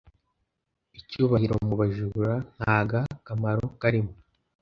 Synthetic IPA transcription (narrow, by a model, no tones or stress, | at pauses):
icuːβahiɾo̞muβaʒuɾan̥haːɡakamaɾo̞kaɾimo